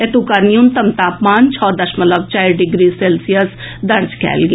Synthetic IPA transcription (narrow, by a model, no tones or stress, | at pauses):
et̪ukaɾnijumt̪əmt̪aːpmaːnt͡ʃʰɔːd̪ɐʃmələb̚t͡ʃaːiɾɖɪɡɾiːseːlsijəsd̪ɐɾd͡ʒkʰɛ̰ːlɡe